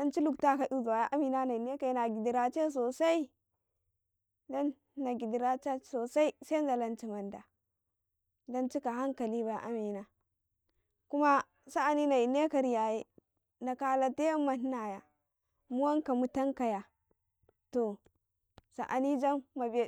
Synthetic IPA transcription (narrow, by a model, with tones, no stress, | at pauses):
da˦nt͡ʃi˦lu˨kta˦ka˨ɗu˦za˨wa˨ja˦ʔa˦mi˨na˦na˨i˨ne˦ka˨i˦na˨ɡi˨di˨ɾa˨t͡ʃe˦s̬o˨sa˦i˦ | da˦nː˦ | a˨ɡi˨di˨ɾa˦t͡ʃa˦so˨sa˦i˦se˦n˦da˨la˦nt͡ʃi˦ma˨nda˨ | do˦nt͡ʃi˦ka˨ɦa˦ŋka˨li˦ba˨ja̰˨ʔa˦mi˨na˦ | ku˦ma˦ | sa˦a˨ni˦na˨i˨ne˦ka˨ɾi˨ja˨je˦ | na˨ka˨la˨te˦jmːa˨n˦na˨ja˨ | mu˦wa˦ŋka˨mu˦ta˦ŋka˨ja˨ | to˨ | sa̰˨ʔa˨ni˦d͡ʒa˦mːa˨b